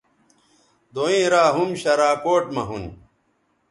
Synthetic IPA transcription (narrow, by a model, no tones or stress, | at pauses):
d̪oĩːɾaːɦumɕɐɾaːkoːʈmɐɦuni